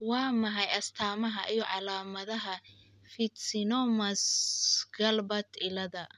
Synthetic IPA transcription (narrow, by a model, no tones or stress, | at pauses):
wɑːmɐɦɑjɐst̪ʰaːmɐɦɐʔijɔʕɑlaːmɐðɐɦɐ | fɪt̪sɪnɔmɐsɡɐlbɐt̪ʰɪlɐðɐ